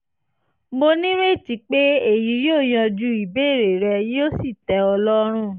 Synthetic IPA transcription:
mo˧nĩ˦ɾe˦˨ti˨˦k͡pe˦e˨ji˨˦jo˦˨j̃ã˧d͡ʒu˧˦i˨be˦˨ɾe˨ɾɛ˧jo˦si˦˨tɛ˧˦ɔ˧lɔ˦ɾ̃ũ˦˨

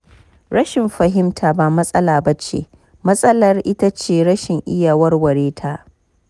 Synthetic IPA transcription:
ɾɐ˦ʃɪ˨mɸɐ˨ɦɪ˦mtʰa˨ba˨mɐ˦sʼɐ˦laː˨ba˦t͡ʃḛː˨ | mɐ˦sʼɐ˦lɐ˨rʔɪ˦ta˦t͡ʃeː˨ɽɐ˦ʃɪ˨ŋʔɪ˦jaː˨wɐ˦rwɐ˨ɽeː˦tʰa˦ʔ

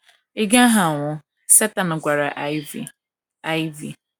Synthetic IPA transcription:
i˦ɡa˦a˦ɦa˨ŋʷʊ˦ | sɛ˦ta˨nʊ˨ɡʷa˨ɾa˨ʔv | a˦i˦vi˨

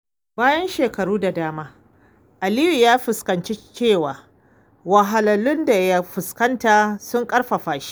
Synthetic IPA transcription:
baː˦jɐ˦nʃeː˨kɐ˨ɽuː˦da˨daː˦maː˦ | ʔa˨li˦ju˨jaː˦ɸɪ˨skɐ˨nt͡ʃe˦t͡ʃeː˦˨waː˨ | wɐ˨ɦa˨lɐ˨lʊ˦nda˨ja˦ɸɪ˨skɐ˦ntaː˨sʊ˦ŋkʼɐ˦ɽɸa˨ɸaː˨ʃi̥˦

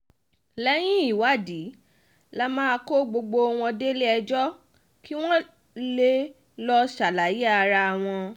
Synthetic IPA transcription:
lɛ˦j̃ĩ˦i˦˨wa˦˨di˨˦ | la˦mãː˦a˧ko˦ɡ͡bo˧ɡ͡bo˧w̃ɔ̃˧de˦le˦ɛ˧d͡ʒɔ˦ | ki˦w̃ɔ̃˦ | le˦ | lɔ˧ʃa˨la˨˦ji˦a˧ɾa˧a˨w̃ɔ̃˧

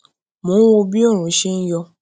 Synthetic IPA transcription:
mõː˨˦wo˧bi˦ɔ˦˨ɾ̃ũ˨˦ʃi˦n̩˦jɔ˧

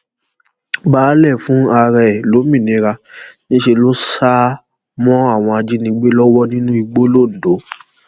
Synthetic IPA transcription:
baː˦˨˦lɛ˦˨fũ˦a˧ɾɛ˨lo˨˦mĩ˦˨nĩ˨˧ɾa˧nĩ˦ʃe˧lo˦sa˦ | mɔ̃˦a˦˨w̃ɔ̃˧a˧d͡ʒi˦nĩ˧ɡ͡be˦lɔ˦wɔ˦nĩ˦nũ˦i˧ɡ͡bo˦lo˦˨n̩˨do˨˦

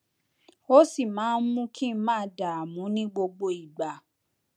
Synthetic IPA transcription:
o˦si˦˨mãː˨˦n̩˦mũ˦kʰĩ˦mãː˦da˨a˨mũ˨˦nĩ˦ɡ͡bo˧ɡ͡bo˧i˨ɡ͡ba˨

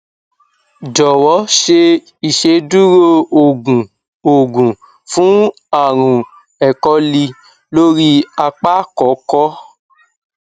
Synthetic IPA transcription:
d͡ʒɔ˨wɔ˨˦ʃe˧ | i˨ʃe˧˦du˦ɾo˦o˨ɡũ˨ | o˨ɡũ˨ | fũ˨˦ | a˦˨ɾ̃ũ˨ | ɛ˨kɔ˧˦li˧ | lo˦ɾi˦a˧k͡pa˦kɔ˨˦kɔ˦

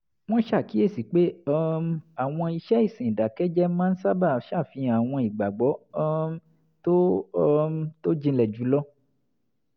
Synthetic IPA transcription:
w̃ɔ̃˦ʃa˦˨ki˨˦e˦˨si˨˦k͡pe˦ɔ˦˧a˨w̃ɔ̃˧i˧ʃɛ˦i˦˨sĩ˨da˨kɛ˦d͡ʒɛ˦mã˦n̩˦sa˦ba˦˨˦ʃa˦˨fĩ˧a˨w̃ɔ̃˧i˨ɡ͡ba˨ɡ͡bɔ˨˦ | to˦ | to˦d͡ʒĩ˧lɛ˨d͡ʒu˨˦lɔ˦

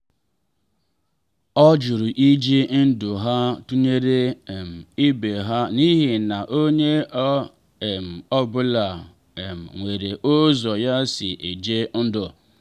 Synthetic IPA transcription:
ɔ˦d͡ʒʊ˨ɾʊ˨ʔi˦d͡ʒi˦n̩˦dʊ˨ɦa˦tu˦ɲe˦ɾe˦˨m̩˨i˦be˨ɦa˦ni˦ɦi˨na˨ʔo˦ɲe˦˨ | m̩˨ɔ˦bʊ˦la˨ | m̩˨ŋʷe˨ɾe˨ʔʊ˦zɔ˨ja˦sɪ˨ʔe˨d͡ʒe˦n̩˦dʊ˨

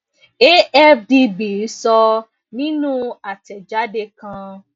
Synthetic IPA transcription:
e˦ʔɛ˦fdi˧bi˨˦sɔ˧ | nĩ˦nũ˦a˨tɛ˨d͡ʒa˨˦de˧kã˧

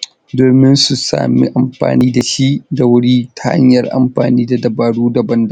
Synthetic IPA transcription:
doː˨mɪ˦nsu˨sa̰ː˨mḭ˦ʔa˨mɸa̰ː˨niː˦da˨ʃi˦ʔda˨wʊ˦ɽiː˦tḁ˨ha̰˦ɲjɐ˨rʔa̰˨mɸa̰ː˨niː˦da˨dɐ˨baː˨ɽuː˦da˨bɐ˦nda˦

